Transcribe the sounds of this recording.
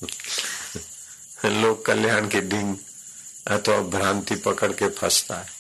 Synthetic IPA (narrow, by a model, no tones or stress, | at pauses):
loːkːəljaːnkiɖ̪ʱɪ̃ŋɡ | ət̪ʰabʱɾãːnt̪ipəkəɽkepʰɐst̪aːɦ